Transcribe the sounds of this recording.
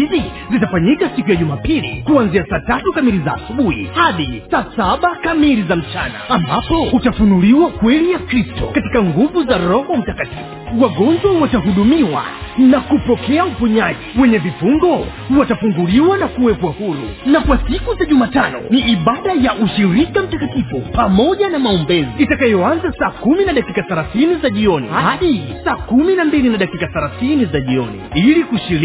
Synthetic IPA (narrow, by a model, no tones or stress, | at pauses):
izi | zitafaɲikasikujaʄumaːpilḭkuanziasaːtatukamilizaːsuɓuhḭhaɗisaːsaɓakamilizam̩t͡ʃana̰ambapɔutafunuliwakwɛlijakɾistɔ̰kati̥kaŋɡuvuzaɾɔhɔm̩takatifuwaɠɔnd͡ʒwawataɦuɗumiwa̰nakupɔkɛaupuɲaʄiwɛɲɛvifuŋɡɔ | watafuŋɡuliwanakuwɛpwahuɾṵnakwasikuzaʄumaːtanɔ̰niʔiɓaɗajaʔuʃiɾikam̩takatifupamɔʄanamaɔmbɛziitakajɔanzasaːkuminaɗakikaθaɾaθinizaʄiɔnḭhhaɗisaːkuminambilinaɗakikaθaɾaθinizaʄiɔnḭilikuʃiɾ